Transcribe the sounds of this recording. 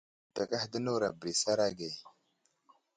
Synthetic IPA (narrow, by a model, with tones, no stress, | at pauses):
ta˨kʼa˦hdə˦nu˦ɾa˨bɾi˨sa˦ɾa˦ɡe˨